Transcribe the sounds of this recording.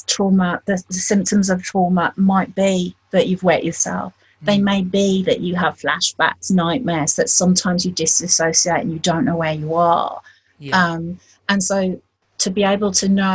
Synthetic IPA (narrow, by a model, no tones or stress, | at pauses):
tʰɹ̥ɔːməʔðəðəsɪ̃mp̚tə̃mzəv̥tʰɹ̥ɔːməʔmaɪʔ̚b̥iðət͡ʃʉvwɛt͡ʃəsɛ̰lˠf | ðeɪmeɪbiðə̰t͡ʃəəv̥fla̰ʃb̥a̰ksnaɪʔmɛsðətsʌ̃mtʰãɪ̃mzjəd͡ʒɪstəsəʊsieɪtə̃njədə̃ʊ̃nːoʊwəjəə̰ | ʌ̃m | ə̃nsoʊ | tʰəbieɪbəlˠtʰəno